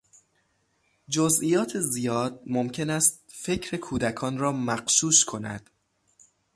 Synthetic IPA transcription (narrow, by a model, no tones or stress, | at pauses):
d͡ʒozʔijɒːt̪ʰezijɒːd̪̚momcʰe̞næst̪̚fe̞cʰɾe̞kʰuːd̪ækʰɒːnɾɒːmæɢʃuːʃkʰo̞næ̰d̪̥